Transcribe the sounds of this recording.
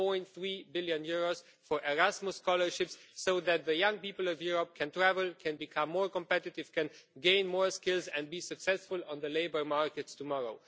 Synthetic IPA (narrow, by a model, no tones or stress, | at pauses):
pɔ̃ɪ̃nt̪θɹiːbɪljɨ̃njʊɹoz̥ | fɔ˞ʔɛɹæsmʊskɔlə˞ʃɪpsːoʊðæt̪̚ðɨjʌ̃ŋpipl̩ˠʌvjuɹəp̚kʰɛ̃ntɹ̥ævəl̩ˠkʰɛ̃nbɨkʰʌ̃mːɔɹkə̃mpɛtɨtɪv̥kʰɛ̃nɡẽɪ̃nmɔɹskɪlˠzɛ̃nbisɨksɛsfʊlˠə̃nðəleɪbə˞maɹkɨtstumɔɹoʊ